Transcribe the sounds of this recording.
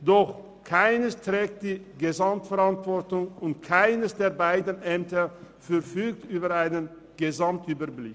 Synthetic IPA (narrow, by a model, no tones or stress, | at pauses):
d̥ɔχ | kʰaɪnəstʁ̥ɛːk̚t̚d̥iːɡezamtfɛʁantv̥ɔɐtʊŋʊntkʰaɪnəsd̥eːɐbaɪdən̩ʔɛmtə | fɛʁfyːk̚tyːbəʁaɪnən | ɡ̥ezamtʔyːbɐblɪ̰k